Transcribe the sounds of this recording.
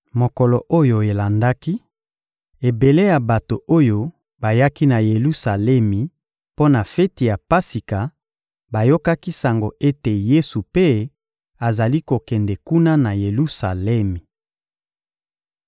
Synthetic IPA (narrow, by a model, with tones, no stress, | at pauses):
mo˨kɔ˨lɔ˨ʔo˦jo˨e˨la˨nda˦ki˦ | e˨be˨le˦ja˨ba˨to˨o˦jo˦ | ba˨ja˦ki˦na˨je˨lu˦sa˨lɛ˦mi˨ | po˦na˨fɛ˦ti˨ja˨pa˦si˨ka˨ | ba˨jo˦ka˦ki˦sa˨ŋɡo˨e˦te˨je˦su˨pe˦ | a˨za˨li˦ko˨kɛ˨ndɛ˨ku˦na˦na˨je˨lu˦sa˨lɛ˦mi˨